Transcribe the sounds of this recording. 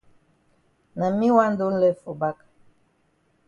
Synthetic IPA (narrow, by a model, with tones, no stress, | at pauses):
na˨mĩ˦wa˦n˦do˦n̩˦lɛ˦fo˨ba˦k